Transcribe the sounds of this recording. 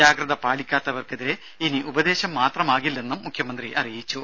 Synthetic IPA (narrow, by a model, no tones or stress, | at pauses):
aːɡɾɐðɐpaːɽikʲːaːt̪ːɐʋɐrkeðiɾe | iniʔubɐd̪e̞ːɕɐmːaːt̪rɐmaːɣilːe̞nːumːukʰjɐmɐnd̪riʔɐrijit͡ɕːu